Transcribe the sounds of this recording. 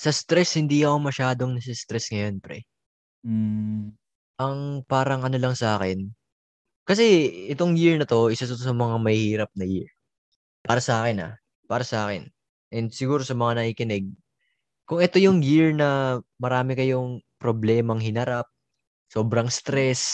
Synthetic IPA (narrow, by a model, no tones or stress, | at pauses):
sɐst̪ɾɛshɪnd̪iɐkomɐʃaːd̪oŋnɐsɪst̪ɾɛsŋɐjo̞npɾɛ | ʔɐŋpaːɾɐŋʔɐno̞lɐŋsɐʔaːkɪn | kɐsɛɛt̪o̞ŋjiɹnɐt̪o̞ʔɪsɐt̪ot̪os̬ɐmɐŋamɐhhiːɾɐp̚nɐjiɹ | paːɾɐsɐʔaːkɪna̰ | paːɾɐsɐʔaːkɛn | ʔɛnd̪sɪɡuːɾo̞sɐmɐŋanɐʔikɪnɛɡ̚ | kʊŋɛt̪o̞jʊŋjiɹnɐmɐɾaːmɪkɐjʊŋpɾoblɛːmɐŋhɪnɐɾap̚ | so̞ːbɾɐŋst̪ɾɛs